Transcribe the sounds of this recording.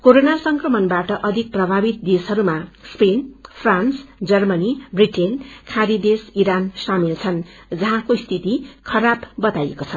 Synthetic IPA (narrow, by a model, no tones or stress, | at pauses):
koɾonasʌŋkrʌmʌnbaʈʌʔʌd̪ʱik̚prʌbʱabit̪̚d̪esʌɾumaspenpʰransd͡zʌrmʌnibriʈenkʰaɾid̪esiɾansamilt͡sʰʌn | d͡zʌɦãkoist̪ʰit̪ikʰʌɾabbʌt̪ajekot͡sʰʌn